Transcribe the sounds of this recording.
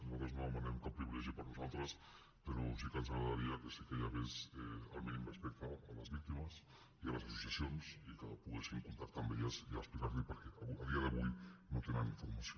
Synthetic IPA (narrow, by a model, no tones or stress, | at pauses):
nat̪ɾaznoðəmanɛmkapɾiβilɛʒipəɾnuzalˠt̪ɾəs | peɾosikənzaɣɾaðaɾiakesikeʎaβesea̰lminimrespɛk̚t̪aːlazβik̚t̪imas | ialasasu̥sjasjonsikaopuɣesiŋkunt̪akt̪ambeʎazia̰splikaɾʎipəɾkɛaaðiaðəβujnot̪enaniɱfuɾmaso